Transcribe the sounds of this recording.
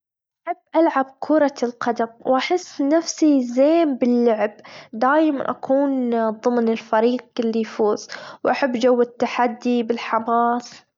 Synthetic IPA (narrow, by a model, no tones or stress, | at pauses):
ʔʔ | aħabːʔalʕab̚kʰuːɾˤɑlqɑd̪amwʔaħɪsːnafsizeːmbɪlːʊʕɪbd̪aːjma̰nʔa̰kʰuːnðˤɨmnɪlfaɾiːqɪlːijfuːz̥wʔaħabːd͡ʒawːɪt̪ːaħad̪ːibɪlħamɑːs